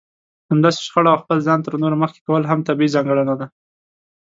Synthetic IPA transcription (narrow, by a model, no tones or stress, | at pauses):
hamd̪ɑse̥ʃxaɽaawxpəlzɑnt̪əɾnoɾaməxke̥kawəlɦamt̪abiizɑŋɡəɽanad̪a